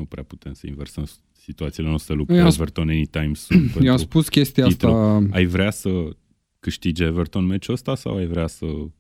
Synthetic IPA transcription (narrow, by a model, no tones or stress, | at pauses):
upɾeapu̥t̪ʰe̞msəḭnversəm | sit̪uat̪sile̞no̞st̪ɾe̞lup̪̚jeasvert̪onenit̪ajmunpenjeamɾsupuskʲest̪iaait̪ajvɾeasə | kɨʃt̪id͡ʒevert̪o̞nmet͡ʃuəst̪asa̰wajvɾeasə